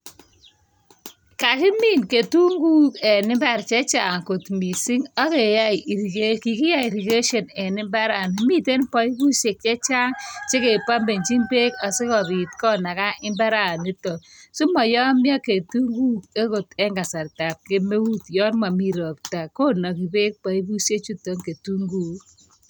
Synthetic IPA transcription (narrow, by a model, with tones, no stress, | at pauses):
ka˨kɪ˦mi˦˨nke˨tu˦ŋɡu˦kɛ˨nɪ˦mba˦˨ɾt͡ʃɛ˦t͡ʃa˨ŋko˨tmi˨si˦ŋɔ˦ke˨ja˦˨˦ki˨kɪ˦ja˦˨ɾi˨ke˦ʃɔ˨nɛ˨nɪ˦mba˦ɾa˨ni˨mi˦te˦npɔ˨˦i˦ku˦ʃe˨k̚t͡ʃɛ˦t͡ʃa˦ŋt͡ʃe˦ke˨pa˦mbe˨ɲt͡ʃi˦mbe˦ka˨se˦kɔ˨bi˨t̚kɔ˦na˨ka˦ʔɪ˦mba˦ɾa˦˨ni˦tɔ˨su˦mɔ˨jɔ˦mjɔ˦ke˨tu˦ŋɡu˦ke˦ko˨tɛ˦ŋɡa˨sa˨ɾta˨p̚ke˦me˦wu˦tjɔ˦nma˨mi˦˨ɾɔ˨p̚ta˨ko˦nɔ˨ki˨be˦k̚pa˨i˦bu˦sje˦t͡ʃu˦tɔ˨˦ŋke˨tu˦ŋɡuː˦